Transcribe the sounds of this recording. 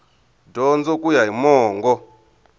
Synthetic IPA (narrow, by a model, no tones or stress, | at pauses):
dɔnd͡zɔkʼujaimɔːŋɡɔ